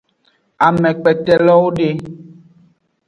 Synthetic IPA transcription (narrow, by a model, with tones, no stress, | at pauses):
a˨mɛ̃˨k͡pɛ˨tɛ˨lɔ˦wo˦ɖe˦